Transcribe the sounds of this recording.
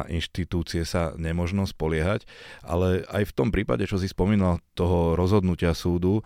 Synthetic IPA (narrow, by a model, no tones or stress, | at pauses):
ʔinʃt̪it̪uːt͡siɛsaɲɛmɔʒnɔspɔlɪɛɦacʔa̰lɛa̰jft̪ɔmpɾiːpa̰ɟɛt͡ʃɔs̬ispɔmiːnalt̪ɔɦɔɾɔzɦɔd̪nucɪasuːd̪u